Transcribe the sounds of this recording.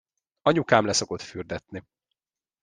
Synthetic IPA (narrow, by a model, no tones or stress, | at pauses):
ɒɲukaːmlɛso̞ko̞t̪fyrd̪ɛt̪ni